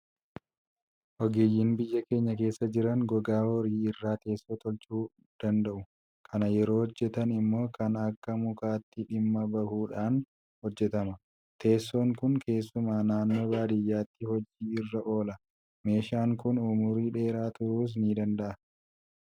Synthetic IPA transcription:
ʔɔɡeːjːiːnbɪjːɐke̞ːɲːɐke̞ːsːɐd͡ʒɪɾɐŋɡɔɡaːwɔɾiːɪrːaːt̪e̞ːsːot̪ɔlt͡ʃuː | d̪̥ɐnd̪ɐʔʊ | kʰɐnɐjɛɾo̞ːhɔd͡ʒːɛt̪ɐnɪmːo̞ːkʰɐnɐkːɐmʊkaːt̪ːɪᶑɪmːɐbɐhuːᶑaːn | hɔd͡ʒːɛt̪ɐmɐ | t̪ʰe̞ːsːoːŋkʊŋkʰe̞ːsːʊmaːnaːnːoːbaːd̪ɪjːaːt̪ːɪhɔd͡ʒiːɪrːɐʔo̞ːlɐ | me̞ːʃaːŋkʊnʊmʊɾiːᶑe̞ːɾaːt̪ʊɾuːs̬niːd̪ɐnd̪ɐʔɐ

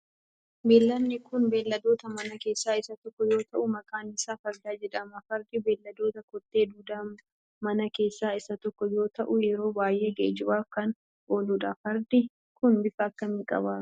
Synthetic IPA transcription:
beːlːɐnːɪkʊnbe̞ːlːɐd̪o̞ːt̪ɐmɐnɐke̞ːsːaːɪsɐt̪ɔkːɔjo̞ːt̪ɐʔʊmɐkʼaːnɪsaːfɐɾd̪aːd͡ʒɛᶑɐmɐfɐɾd̪ibe̞ːlːɐd̪o̞ːt̪ɐkɔt̪ʼːeːd̪uːd̪aːm | mɐnɐke̞ːsːaːɪsɐt̪ɔkːɔjo̞ːt̪ɐʔʊjɛɾo̞ːbaːjʔe̞ːɡḛːd͡ʒɪbaːfkɐn | ʔoːluːᶑɐfɐɾd̪i | kʊnbɪfɐɐkːɐmiːkʼɐ̰baː

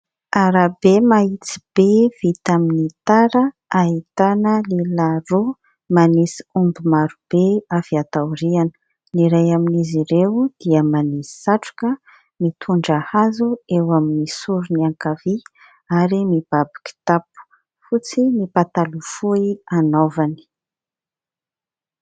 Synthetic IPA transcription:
aɾabemait͡si̥b̥ev̥it̪aminit̪aɾə | aɦit̪anəlelaro | manisi̥umbimaɾub̥eafiat̪awɾianə̥ | niɾajaminiziɾewd̪̥iəmanisi̥saʈ͡ʂu̥kə | mit̪ʰuɳɖ͡ʐahazuewaminisuɾuniaŋkavi | aɾimib̥abḁki̥t̪apu̥ | fut͡simipat̪alufuianovani̥

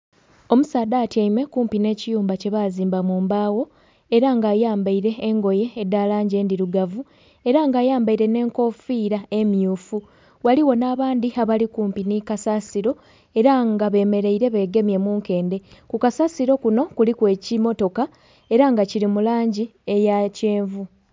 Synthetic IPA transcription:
o̞musaːdaːtjaimwe̞kuːmpine̞ːcijuːmbace̞βaːziːmbamuːmbaːwo̞ | e̞ɾaŋɡaːjaːmbaiɾe̞ːŋɡo̞je̞ːdːalaːɲɟe̞ːndiɾuɡavu | e̞ɾaŋɡaːjaːmbaiɾe̞ne̞ːŋko̞fiːɾae̞mjuːfu | waliwo̞naːβaːndiaβalikuːmpinikasasiɾo̞ | e̞ɾaŋɡaβe̞ːme̞ɾe̞iɾe̞βe̞ːɡe̞mje̞muːŋke̞ːnde̞kukasasiɾo̞kuno̞kulikwe̞ːcimo̞to̞ka | e̞ɾaŋɡaciɾimulaːɲɟie̞jace̞ːɱvu

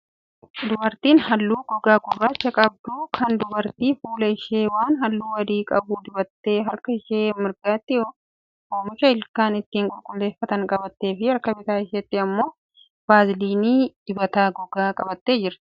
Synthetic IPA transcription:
d̪ʊbɐɾt̪iːnhɐlːuːɡ̥ɔɡaːɡʊrːaːt͡ʃːɐkʼɐb̚d̪uːkʰɐnd̪ʊbɐɾt̪iːfuːlɐɪʃeːwaːnɦɐlːuːwɐd̪iːkʼɐbuːd̪ɪbɐt̪ːe̞ːɦɐɾkɐɪʃeːmɪɾɡaːt̪ːɪjoː | ʔoːmɪʃɐɪlkaːnɪt̪ːiːŋkʼʊlkʼʊlːe̞ːfːɐt̪ɐŋkʼɐbɐt̪ːe̞ːfɪɐɾkɐbɪt̪aːɪʃɛt̪ːɪɐmːo̞ː | b̥aːzɪliːniːd̪̥ɪbɐt̪aːɡɔɡaːkʼɐbɐt̪ːe̞ːd͡ʒɪɾ

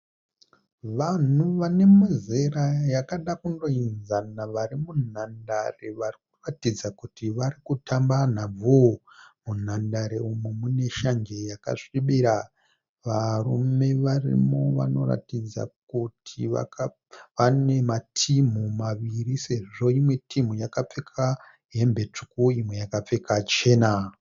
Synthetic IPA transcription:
ʋan̤uʋane̞muzerajakaɗakundoinzanaʋaɾimunandareʋarik̚uratid͡zakutiʋaɾikutamban̤ab͡vʱo | mun̤andaɾeumumune̞ʃaŋɡe̞jaka̰ʂiɓiɾa | ʋarume̞ʋarḭmoʋa̰no̞̰ɾa̰tid͡za̰kutʰia̰k | ane̞matʰim̤umaʋiɾise̞ʐo̞imwe̞tim̤ujakap͡fekʰa | ɦe̞mbe̞t͡ʂu̥kuimwe̞jakap͡fe̞kʰat͡ʃe̞ːna

